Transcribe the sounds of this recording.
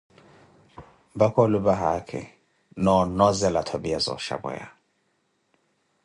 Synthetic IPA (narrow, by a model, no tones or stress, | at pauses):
bakʰɔlubaɦakʰɛ̰ | nɔnɔzɛlatʰɔbijazɔ̰ʃa̰bɔ̰ja̰